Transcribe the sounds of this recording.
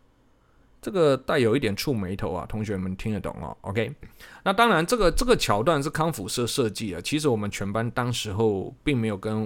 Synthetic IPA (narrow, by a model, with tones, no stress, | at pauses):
ʈ͡ʂɤ˥˩ɡə˨t̪a˥˩ɪjo˨˩ʊi˥t̪̬jɛ˨˩nʈ͡ʂʰu˥˩me˧˥ɪt̪ʰo˧˥ʊɐ̰˨t̪ʰʊ˧˥ŋɕɥɛ˧˥n˨˩mə˧˦nt̪ʰi˥ŋə˨t̪ʊ̰˨˩ŋɐ̰˦ʔo̰˧ʊkʰe˥ɪna˥˨t̪ɑ˥ŋɻa˧˦˥nʈ͡ʂɤ˥˩ɡə˩ʈ͡ʂɤ˥˩ɡə˩t͡ɕʰjɑ˨˥ʊt̪wa˥˧nʂ̬̩˥˩kʰɑ˥ŋfu˨˩ʂɤ˥˧ʂɤ˥˧t͡ɕi˥˩a̰˨˩t͡ɕʰi˧˥ʂɻ̩˧˥wɔ˨˩mə˦nt͡ɕʰɥɛ˧˥npa˥˦nt̪ɑ˥ŋʂɻ̩˧˦xo˥˧ʊpi˥˩ŋme˧˥ɪjo˨˩ʊkə˦n